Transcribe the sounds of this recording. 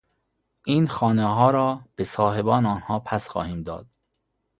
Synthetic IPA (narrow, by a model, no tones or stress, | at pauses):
ʔiːnxɒːneɦɒːɾɒːb̥esɒːɦe̞bɒːnɒːnhɒːpʰæsxɒ̰ːhiːmd̪ɒ̰ːd̪̥̚